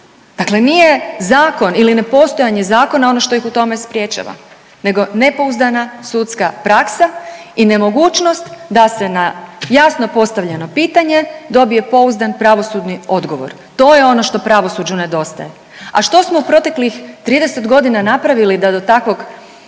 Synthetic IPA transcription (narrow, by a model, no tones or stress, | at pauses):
d̪akle̞nije̞zaːko̞niline̞po̞st̪o̞jaɲezaːko̞nao̞no̞ʃt̪o̞jixut̪o̞me̞spɾje̞t͡ʃa̰ʋa̰ | ne̞ɡo̞ne̞po̞uzd̪anasut̪skapɾaksa | ine̞mo̞ɡuːt͡ʃno̞st̪d̪ase̞najasno̞po̞st̪aʋʎeno̞piːt̪aɲe̞d̪o̞bije̞po̞uzd̪anpɾaʋo̞sud̪nio̞d̪ɡo̞ʋo̞̰ɾ | t̪o̞ːje̞o̞no̞ʃt̪o̞pɾaʋo̞sud͡ʒune̞d̪o̞st̪a̰je | aʃt̪o̞smoupɾo̞t̪e̞klixt̪ɾiːd̪e̞se̞t̪ɡo̞d̪inanapɾaʋilid̪ad̪o̞t̪akʋo̞ɡ